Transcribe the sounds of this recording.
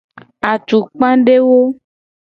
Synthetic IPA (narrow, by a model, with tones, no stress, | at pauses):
a˨t͡ʃ̪u˨k͡pã˦ɖe˦wo˦